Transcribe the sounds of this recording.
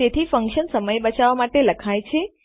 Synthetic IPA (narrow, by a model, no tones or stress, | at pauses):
et̪ʰifəŋkʃənsəməjbət͡ʃaʋamaʈeləkʰajt͡ʃʰe